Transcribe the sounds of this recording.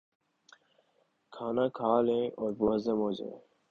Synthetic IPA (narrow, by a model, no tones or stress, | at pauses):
kʰaːnakʰaːlẽːoːɾboɐzɐmoːd͡ʑḛ